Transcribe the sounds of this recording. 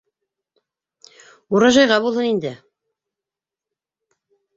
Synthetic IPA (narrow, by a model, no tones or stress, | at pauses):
uɾɑʒɑjʁɑbulˠɦhɤnind̪ɘ